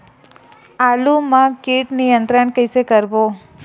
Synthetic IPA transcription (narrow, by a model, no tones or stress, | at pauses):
alumãkiʈnijənt̪ɾəɳkəjsekəɾbo